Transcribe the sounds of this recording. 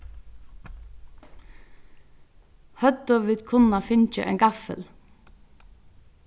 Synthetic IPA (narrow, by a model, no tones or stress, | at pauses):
hœd̪ɔʋɪd̪kʰʊnɑfɪnc͡çə̰ʔḛːŋɡɑfə̰l